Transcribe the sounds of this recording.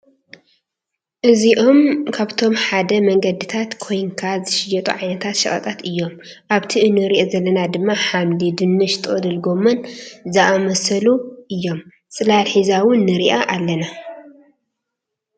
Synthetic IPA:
ʔɨziʔo̞mkʰaβt̪ʰo̞mħad̪ɐmɐŋɡɐd̪it̪ʰat̪kʰo̞jŋkʰazɨʃɪjɐt̪ʼṵʕajnɐt̪ʰat̪ʃɐʔʼɐ̰t̪ʼat̪ɨjːo̞m | ʔaβt̪ʰiʔɨnɨɾiʔozɐlːɐnad̪ɨmːaħamdid̪ɨnːɨʃt̪ʰʼɨɐd̪ɨlɡo̞mɐnzaʔamɐsɐluʔɨjːo̞m | t͡sʼɨlalħizawʊnːɨɾiʔaʔalːɐna

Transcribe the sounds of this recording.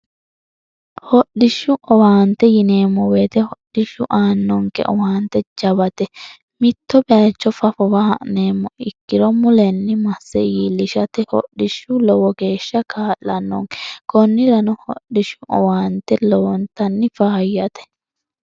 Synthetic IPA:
hɔɗːɪʃːʊʔɔwaːnt̪ɛjɪne̞ːmːɔweːt̪ɛhɔɗɪʃʊʔaːnːɔŋkɛ̰ʔɔwaːnt̪ːɛd͡ʒɐβɐt̪ɛ | mɪt̪ːɔbɛaːt͡ʃːɔfɐfɔbɐhɐ̰ʔneːmːɔʔɪkːɪɾɔmʊlɛnːɪmɐsːɛjiːlɪʃɐt̪ɛhɔ̰ɗːɪʃʊlɔwɔɡe̞ːʃːɐkʰaːlːɐnːɔ̰ŋkɛ̥kɔnːɪɾɐnɔhɔ̰ɗːɪʃʊɔ̰waːnt̪ɛlɔwɔnt̪ɐnːɪfɐːjːɐt̪ɛ̥

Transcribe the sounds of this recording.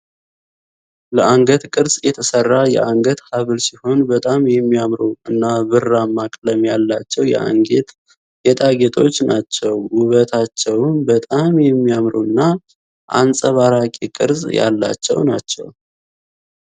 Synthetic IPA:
ləaŋɡət̪kʼɨɾzjɛt̪ʰəsərːajɛ̰ʔaŋɡət̪haβɨlsiho̞nbət̪ʼamjɛmːiamɾuɨnːaβɨramːakʼləmjalːat͡ʃːɛwjɛ̰ʔa̰ŋɡet̪ | jɛt̪ʼaɡet̪ʰʼo̞t͡ʃːnat͡ʃːɛwwʊβət̪ʰat͡ʃːɛwmbət̪ʼamjɛmːiamɾuɨnːa | ʔa̰nsʼəβaɾakʼikʼɨ̰ɾzja̰lːa̰t͡ʃːɛ̰wnat͡ʃːɛ̰w

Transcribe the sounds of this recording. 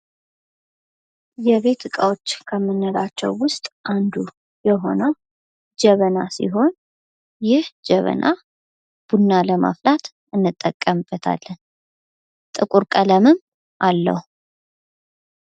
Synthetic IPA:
jɛβe̞t̪ɨkʼawot͡ʃːkʰəmːənːəɾat͡ʃːɛ̰wːʊst̪ʼʔand̪u | jɛɦo̞nə | d͡ʒɛβəna̰sḭɦo̞n | jɪhd͡ʒɛβə̰nʔa̰ | b̥unːaləma̰flat̪ | ɨnːɨt̪ʼːəkʼːəmb̥ət̪ʰa̰lːən | t̪ʼɨkʼuɾkʼələmɨm | ʔalːə̰hu

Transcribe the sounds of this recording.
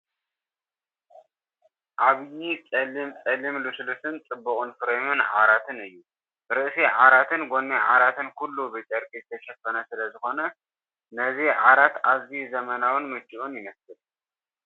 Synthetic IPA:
ʔaβjit͡sʼɐlimt͡sʼɐlimluslut̪ʰɨnt͡sʼɨbːɨkʼunfɨɾemɨnʕa̰ɾat̪ʰɨnɨjːu | ɾɨʔsiʕaɾat̪ʰɨnɡonːeʕa̰ɾat̪ʰɨnkulːubɨt͡ʃʼɐɾɡizɨt̪ʰɐʃɐfɐnɐsɨlɐzɨxo̞nɐ | nɐziʕaɾat̪aβzizɐmɐnawɨnmɨt͡ʃʼːiʔunjɪmɐsɨl

